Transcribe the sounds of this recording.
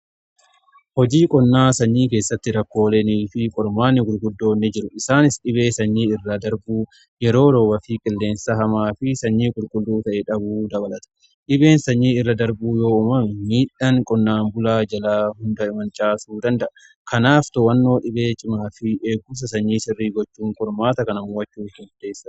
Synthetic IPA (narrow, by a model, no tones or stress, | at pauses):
hɔd͡ʒiːkʼɔnːaːsɐɲːiːke̞ːsːɐt̪ːɪɾɐkːo̞ːleːniːfɪkʼɔɾmaːnːɪɡʊlɡʊd̪ːo̞ːnːɪd͡ʒɪɾʊɪsaːnɪsᶑɪbe̞ːsɐɲːiːɪrːɐd̪ɐɾbuː | jɛɾo̞ːɾo̞ːbɐfɪkʼɪlːe̞ːnsɐɦɐmaːfɪsɐɲːiːkʼʊlɡʼʊlːuːt̪ɐʔɛᶑɐbuːd̪ɐbɐlɐt̪ɐ̥ | ᶑɪbe̞ːnsɐɲːiːɪrːɐd̪ɐɾbuːjo̞ːʊmɐmiːᶑɐŋkʼɔnːaːmbʊlaːd͡ʒɐlaːhʊnd̪ɐɪmɐnt͡ʃʼaːsuːd̪ɐnd̪ɐʔɐ | kʰɐnaːft̪ɔwɐnːo̞ːᶑɪbeːt͡ʃʼɪmaːfɪeːɡʊs̬ɐsɐɲːiːsɪrːiːɡɔt͡ʃːuːŋkʼɔɾmaːt̪ɐkɐnɐmuːwɐt͡ʃːuːkːɪnfʊd̪eːsːɐ